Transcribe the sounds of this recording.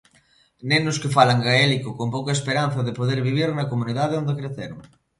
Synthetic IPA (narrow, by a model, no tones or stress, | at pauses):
nẽnʊskefalaŋɡaelikokompokɐespeɾan̟θɐðepoðeɾβiβ̞iɾnɐkomũniðaðeond̪ekɾeθeɾoŋ